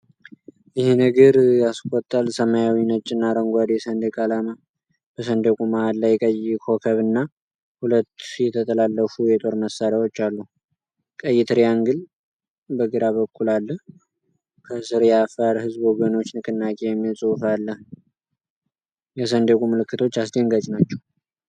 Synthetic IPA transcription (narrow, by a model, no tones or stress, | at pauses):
ɪhenəɡɨɾjaskʼɔt̪ʼːalsəmajawinət͡ʃʼːɪnːaɾəŋɡʷad̪jɛsənd̪əkʼalama | b̥əsənd̪ekʼumahallːajkʼəjɪkʰo̞kʰəβɨnːa | hulət̪ːjɛt̪ʰət̪ʰəlalːəfujɛt̪ʼo̞ɾməsaɾawot͡ʃːalːu | kʼəjːɪt̪ʰɨɾjaŋɡɨl | bəɡɨɾaβəkʰːulalːəh | kʰəsɨɾjafəɾhɨzbwoɡəno̞t͡ʃːnɨkʰɨnːakʼejɛmːisʼuwfalːəh | jɛsənd̪ekʼuməlɨkːɨt̪ʰo̞t͡ʃːasd̪əŋɡat͡ʃʼnat͡ʃːɛw